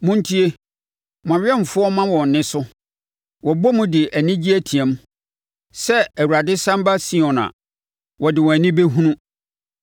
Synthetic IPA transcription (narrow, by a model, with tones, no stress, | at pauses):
mʊ̃˦n̩˦tʰi˦e˦ | mã˨ɥʲɪ˦ɛ˦m̩˨fʊ˦ɔ˦mã˦wɔ̃˨n˨nːɪ̃˦sʊ˦ | wɔ˨bɔ˦mʊ̃˦dɪ˨ʔæ˨nɪ̃˦d͡ʑi˦æ˦tʰi˨ɛ̃˨˦m | sɛ˦æ˨wu˨ɾa˨dɪ˦sã˦m˦ba˦sĩ˦ɔ̃˨nã̰˨ | wɔ˨dɪ˨wɔ˨æ˨nĩ˦be˦ɦũ˦nũ˦